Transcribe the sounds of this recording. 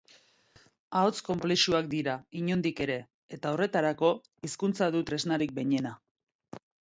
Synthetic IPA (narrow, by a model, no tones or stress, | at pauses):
aot͡sko̞mpleʃuak̚d̪iɾaiɲo̞nd̪ike̞ɾe̞ː | t̪ao̞re̞t̪aɾako̞ | iskunt͡saðut̪ɾe̞znaɾik̚be̞ɲe̞na